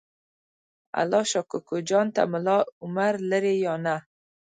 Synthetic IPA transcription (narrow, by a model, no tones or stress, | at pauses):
a̰lɔʃɔkʊkod͡ʒɑnt̪a̰mʊlɑʊmaɾləɾejɑna